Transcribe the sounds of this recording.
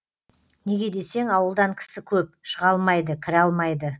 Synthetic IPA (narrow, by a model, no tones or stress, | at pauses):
ne̞ɡʲe̞d̪e̞se̞ŋɑwəlˠd̪ɑŋkʲʰɪ̥sɪkʲʰɵp̚ʃəʁɑlˠmɑjd̪əkʲʰɪɾɑlˠmɑjd̪ə